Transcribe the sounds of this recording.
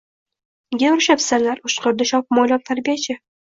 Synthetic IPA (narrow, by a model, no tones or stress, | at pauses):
ɡʲeɾʃapsalaɾʊʃqʰoɾd̪aʃɒpmɒjlʲɒmt̪ʰaɾbijat͡ʃʰɪ